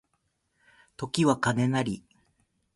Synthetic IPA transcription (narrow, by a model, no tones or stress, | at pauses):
t̪o̞kʲiβakane̞naɾʲi